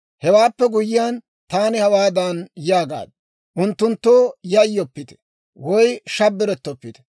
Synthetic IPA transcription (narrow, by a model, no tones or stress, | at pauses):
hɛwaːpːɛɡʊjɪjaːn | t̪aːnɪhɐwaːd̪anjaːɡa̰ːd̪̚ | ʔʊnt̪ːʊnt̪ːoːjɐjɔpːɪt̪ɛ̥ | wɔjʃɐbːɪɾɛt̪ːɔpːɪt̪ɛ̥